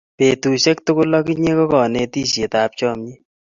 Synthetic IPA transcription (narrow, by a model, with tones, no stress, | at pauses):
pe˨tu˨ʃɛ˦k̚tʊ˦kʊ˦lɔ˦ki˦ɲe˦kɔ˦kɔ˨ne˧ti˦˨ʃe˨t̪a˨p̚t͡ʃɔ˦mɲi˦